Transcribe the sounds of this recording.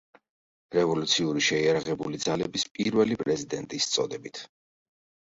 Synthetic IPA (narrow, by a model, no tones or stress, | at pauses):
ɾɛvɔlut̪sʰiuɾiʃɛiaɾaʁɛbulid̪zalɛbispʼiɾvɛlipʼɾɛzid̪ɛnt̪ʼist̪sʼɔd̪ɛbit̪ʰ